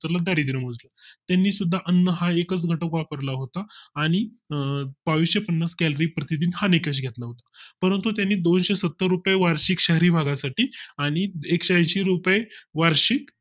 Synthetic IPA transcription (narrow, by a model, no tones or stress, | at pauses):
t̪əɾlad̪aɾid̪iɾəm̤od͡zlət̪janːiːsud̪ʱːaʔənːəɦaekət͡sɡʱəʈəkʋapəɾlaɦot̪aːɽ̃i | baʋiːsɕepənːaskɛlɾipɾət̪id̪iːnhanekeɕ̬ɡʱet̪laɦot̪ḁpəɾənt̪ut̪̬janːiːd̪onɕesət̪ːəɾːupjeʋaɾɕikɕəɦɾiːbʱaɡasaʈiːaɽ̃iekɕajɕiɾupjeʋaɾɕik